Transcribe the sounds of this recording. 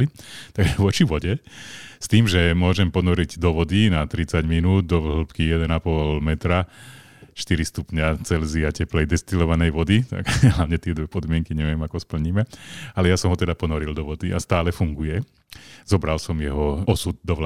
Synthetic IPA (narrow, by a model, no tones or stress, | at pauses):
it̪aɡʒɛʋɔt͡ʃiʋɔɟɛst̪iːmʒɛmʊɔʒɛmpɔnɔɾiɟd̪ɔʋɔd̪inat̪ɾit͡saɟminuːd̪̚d̪ɔʋɦl̩pkijɛd̪ɛnapɔlmɛt̪ɾa | ʃt̪iɾist̪upɲat͡sɛlziacɛplɛjd̪ɛst̪ilɔʋanɛjʋɔd̪it̪a̰ɡɦlaʋɲɛt̪ɪɛd̪ʋɛpɔd̪mɪɛŋkiɲɛʋɪɛmakɔspl̩ɲimɛalɛjasɔmɦɔt̪ɛd̪apɔnɔɾild̪ɔʋɔd̪ia̰st̪aːlɛfuŋɡujɛ | z̥ɔbɾalsɔmjɛɦɔɔsud̪̚d̪ɔʋl